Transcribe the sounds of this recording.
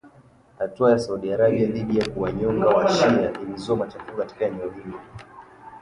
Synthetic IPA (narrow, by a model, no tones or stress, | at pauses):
hatuajasauɗiaɾaɓiaðiɗijakuwaɲɔŋɡawaʃiaʔilizɔmat͡ʃafukati̥kaɛnɛɔhilɔ